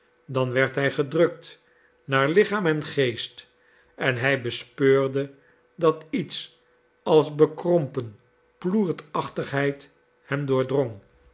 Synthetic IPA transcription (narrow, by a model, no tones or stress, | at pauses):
dɑnʋɛɹtɦɛjχədrɵk̚t | naːɹlɪχaːmɛnχejst | ɛnɦɛjbəspøːɹdə | dɑtits | ɑlˠzbəkrɔmpən | pluːɹtɑχtəχɦɛjt | hɛmdʊːɹdroŋ